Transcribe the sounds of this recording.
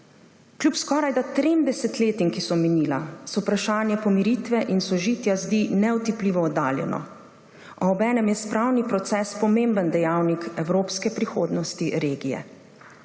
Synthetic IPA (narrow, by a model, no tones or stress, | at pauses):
klʲjupskɔːɾajd̪at̪ɾeːmd̪ɛsɛt̪leːt̪iŋkisɔmɛniːla̰sɔpɾaʃaːnjɛpɔmiɾiːt̪ʋɛʔinsɔʒiːt̪jazd̪inɛɔt̪ipliːʋɔːd̪aːljɛ̰nɔ̰ | ɔːbɛːnɛmjɛspɾawnipɾɔt̪sɛːspɔmeːmbənd̪ɛjaːwnikɛwɾoːpskɛpɾixoːd̪nɔst̪iɾeːɡijɛ̰